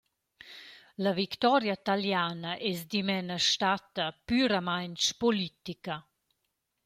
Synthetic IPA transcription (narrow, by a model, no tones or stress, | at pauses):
ləvikt̪ɔɾjat̪aljaːnəʔesd̪imɛnəʃt̪at̪əpyɾəmajnt͡ʃpolit̪ikə